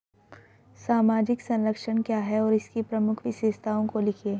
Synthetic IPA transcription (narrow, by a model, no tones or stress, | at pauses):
saːmaːd͡ʒɪksɐ̃nləkʃəñkjaːɦɛɔːɾɪskipɾɐmʊkʰʋɪʃeːʃt̪ʰaːõkolɪkʰieː